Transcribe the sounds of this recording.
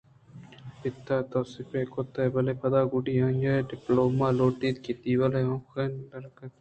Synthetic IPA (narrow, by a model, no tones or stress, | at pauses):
pɪt̪ːaːt̪oːsɪpeːkot̪eːbɐleːpɐd̪aːɡʊɖiːãːnd͡ʒaːɖɪploːmaːloːʈiːt̪̚kiːt̪iːwɐleõːxeːnlɐɾkɐt̪